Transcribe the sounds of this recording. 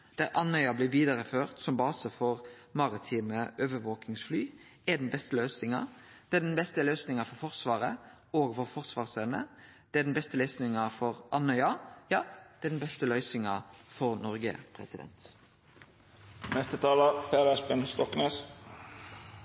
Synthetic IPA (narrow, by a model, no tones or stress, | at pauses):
d̪̥æʁʔɑnœʏɑblɪːʋiːd̪ɑʁəføːʁt̪sɔmbɑːsəfɔʁ | mɑʁɪt̪ʰiːməʔøːʋəʋoːkɪŋsflyː | æd̪ɛnbɛst̪əlœːsɪŋɑ̰d̪̥ɛːd̪ɛnbɛst̪əløːsnɪŋɑfɔfɔʁsʋɑːʁə | oːɡfɔʁfɔʁsʋɑːʁsœnə̰ | d̪̥ɛæd̪ɛnbɛst̪əlœʏsnɪŋɑfɔʁʔɑnœʏɑjɑːd̪̥ɛɛd̪ɛnbɛst̪əlœʏsɪŋɑfɔʁnɔɾɡə̰pʰʁɛ̰sɪd̪ɛ̰nt̪ | nɛst̪ət̪ʰɑːləpʰeːɾæspɛnst̪ɔknøːs